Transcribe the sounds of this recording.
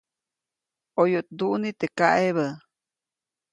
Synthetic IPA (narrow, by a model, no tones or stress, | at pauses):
ojoʔt̪̚d̪uʔnit̪ekaʔeβə